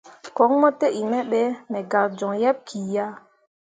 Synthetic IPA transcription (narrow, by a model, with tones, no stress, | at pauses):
kɔ˨˦ŋmɔ˦te˦ʔi˨mɛ˦ɓɛ˦nɛ˨ɡa˨ɾd͡ʒɔ˨ŋjɛ˦b̚kʰi˨ja˦